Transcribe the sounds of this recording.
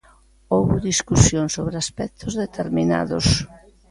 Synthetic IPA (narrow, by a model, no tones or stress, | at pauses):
owβʊðiskusjoŋsoβɾeaspɛk̚t̪ʰozðet̪eɾmina̰ðo̰s